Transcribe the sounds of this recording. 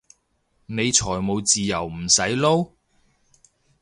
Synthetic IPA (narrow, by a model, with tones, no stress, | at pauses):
ne˨˧jt͡ʃʰɔː˨˩jmo˨˧wt͡siː˨jɐ˨˩wm̩˨˩sɐ˨˥jlo˥w